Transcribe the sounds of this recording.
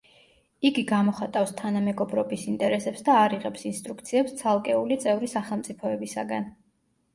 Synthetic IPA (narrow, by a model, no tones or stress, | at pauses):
iɡiɡamɔχat̪ʼafst̪ʰanamɛɡɔbɾɔbisint̪ʼɛɾɛsɛpsd̪aːɾiʁɛpsinst̪ʼɾuk̚ʰt̪sʰiɛpst̪sʰalˠkʼɛulit̪sʼɛvɾisaχɛlˠmt̪sʼipʰɔɛbisa̰ɡan